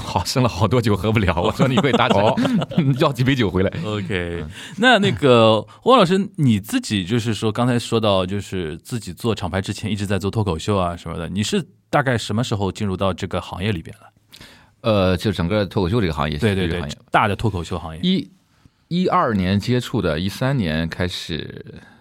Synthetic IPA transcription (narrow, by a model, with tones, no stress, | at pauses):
xɑ˨˩ʊʂɤ˥˧ŋlə˩xɑ˨˩ʊt̪̬wɔ˥t͡ɕjo˥˩ʊxɤ˧˥pu˥˩ljɑ˧˥ʊwɔ˨˩ʂɔ˥ni˨˧xwe˥˩ɪt̪a˧˥˨t͡ɕjɑ˥˩ʊt͡ɕi˨˩pt͡ɕjo˨˩ʊxwe˧˥la˧˥ɪo˧ʊkʰe˧˥ɪ˧na˥˧na˥˩ɡə˩wɔ˥lɑ˨˩ʂɻ̩˥ni˨˩t͡sɹ̩˥˩t͡ɕi˨˩t͡ɕjo˥˧ʊʂ̬ɻ̩˥˩ʂwɔ˥kɑ˥ŋt͡sʰa˧˥ɪʂwɔ˥t̪ɑ˥˧ʊt͡ɕjo˥˧ʊʂɻ̩˥˧t͡sɹ̩˥˩t͡ɕi˨˩t͡swɔ˥˩ʈ͡ʂʰɑ˨˩ŋpʰɪʈ͡ʂɻ̩˥t͡ɕʰjɛ˧˥ni˥˩ʈ͡ʂɻ̩˧˥t͡sa˥˧ɪt͡swɔ˥˩t̪ʰɔ˥kʰo˨˩ʊɕjo˥˧ʊɐ˩ʂə˧˥mə̰˧d̪ə̰˩ni˨˩ʂɻ̩˥˧ | t̪a˥˧ka˥˩ɪʂə˧˥mə˧ʂɻ̩˧˥xo˧ʊt͡ɕi˥˧nɻu˥˧t̪ɑ˥˧ʊʈ͡ʂɤ˥˩ɡə˩xɑ̰˧˥ŋjɛ˥˩li˨˩mjɛ̰˥nlə˩ | ə˧t͡ɕo˥˧ʂ̩˥˩ʈ͡ʂɤ˨˩ŋɡə˥˧t̪ʰɔ˥kʰɕo˥˧ʈ͡ʂɤ˥˩ɡə˩xɑ̰˥jɛ̰˥˧˩e˥˧t̪w̰ɛ˥˩t̪a˥˩d̪ə˩t̪ʰwɔ˥kʰo˨˩ʊɕjo˥˧ʊxɑ˧˥ŋjɛ˥˧i˥ | i˥ɐ˞˥˩njɛ˧˥nt͡ɕjɛ˥ʈ͡ʂʰu˥˩d̪ə̰˩i˥˩sa˥nnjɛ˧˥nkʰa˥ɪʂɻ̩̰˨˩